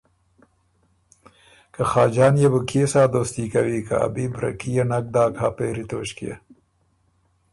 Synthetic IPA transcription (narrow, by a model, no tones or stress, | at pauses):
kɐxɑːd͡ʒɑːnjebukʰesaːd̪oːst̪ikɐwika̰a̰bibɾɐ̰kijenɐk̚d̪aːkʰaːpeːɾit̪oːɕkḛ